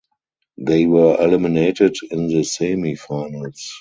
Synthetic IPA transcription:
ðeɪwɜ˞ʔɛlɪmɪneɪtɪdɪ̃nðəseɪmifaɪnəls

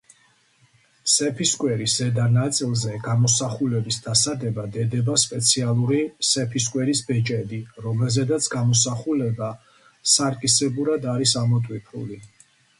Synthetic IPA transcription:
sɛpʰiskʼwɛɾiszɛd̪anat̪sʼilˠzɛɡamɔsaχulɛbisd̪asad̪ɛbad̪ɛd̪ɛbaspʼɛt̪sʰialˠuɾisɛpʰis̬kʼwɛɾisbɛt͡ʃʼɛb̪iɾɔmɛlˠzɛd̪at̪sʰɡamɔsaχulɛba | saɾkʼisɛbuɾad̪aɾisamɔt̪ʼwipʰṵli

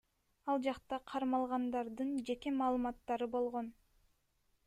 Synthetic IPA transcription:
ɑlˠd͡ʒɑqt̪ɑqʰɑɾmɑlˠʁɑnd̪ɑɾd̪ɯnd͡ʒe̞ke̞mɑːlˠɯmɑt̪ːɑɾɯbo̞lˠʁo̞n

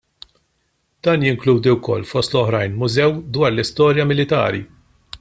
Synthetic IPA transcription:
d̪̥ɐːnjɪŋkluːd̪iwkɔ̰lːfɔst̪lɔħɾɐjnmʊzɛwd̪wɐːɾlɪst̪ɔːɾjɐmɪlɪt̪ɐ̰ːɾḭ

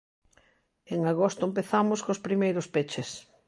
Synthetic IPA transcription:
eŋaɣost̪ʊempeθamʊskospɾimejɾʊspet͡ʃɪs

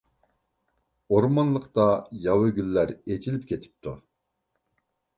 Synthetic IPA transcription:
oɾmɑnlˠəqt̪ɑjɑwɪɡʲylːæɾed͡ʒʰilɪpʲkʲʰet̪ʰɪ̥p̚t̪ʰu

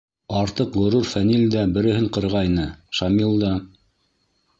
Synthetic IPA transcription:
ɑɾt̪ɤqʁŏɾuɾfænilʲd̪æbɘ̆ɾɘ̆hɘɴqɤ̆ɾʁɑjnɤʃɑmilˠd̪ɑ

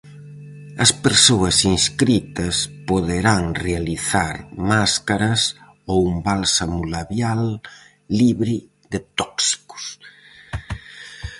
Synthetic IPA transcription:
ɐspeɾsoɐsinskɾit̪ɐspoðeɾaŋrealiθaɾmaskaɾɐs | oumbalsamulaβjalː | iβɾi | ðet̪ɔksi̥ku̥s

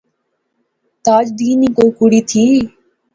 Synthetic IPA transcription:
t̪aːd͡ʒd̪iːniːkoɾkuɽiːt̪ʰiː

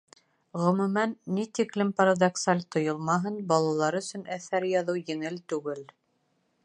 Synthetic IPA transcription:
ʁɵ̆mʉmænːit̪iklɘmpɐɾad̪ɐksalʲt̪ŏjɤlˠmɑɦɤnbɑlˠɑlˠɑɾɵ̆sɵ̆næθæɾjɑðɤwjɘ̆ŋɘlt̪ʉɡɘl

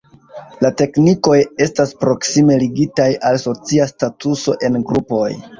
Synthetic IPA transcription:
late̞kniko̞je̞staspɾo̞ksime̞liɡitajalso̞t͡siastatuso̞ʔe̞nɡɾupo̞j

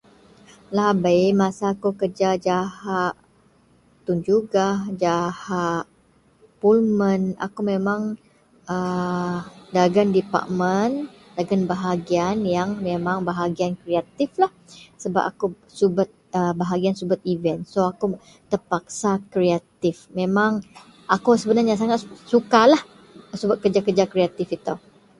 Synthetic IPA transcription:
laɦbajmãsaːkukərd͡ʒad͡ʒahaʔ | t̪und͡ʒuɡad͡ʒahaʔ | pulməna̰kumemãŋ | ə | daɡandipa̰ʔmən | daɡanbaɦaɡianjaŋmemãŋbaɦaɡiankɾeat̪ɪflahsəba̰p̚a̰ku | subat̪̚əbaɦaɡiansubʊt̪̚ivɛnt̪soaku | t̪ərpak̚sakɾeat̪ɪfmẽmãŋ | ʔakusəbənarɲas̬aŋat̪sukalah | subat̪̚kərd͡ʒakərd͡ʒakɾeat̪ɪfit̪a

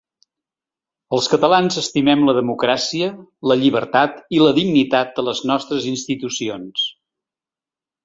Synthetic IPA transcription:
əlˠskət̪əlanzəst̪imɛmləðəmukɾasiələʎiβ̞əɾt̪at̪iləðiɡnit̪at̪̚d̪ələznɔst̪ɾəzinst̪it̪usions

